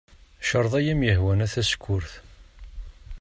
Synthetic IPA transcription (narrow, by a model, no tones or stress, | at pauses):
ʃəɾˤðˤæjæmjəɦwænæθæskʷːʊɾθ